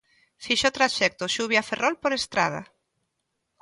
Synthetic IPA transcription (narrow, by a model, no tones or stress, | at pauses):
fiʃot̪ɾaʃɛk̚t̪oʃuβjaferʔɔlpoɾest̪ɾað̞a̰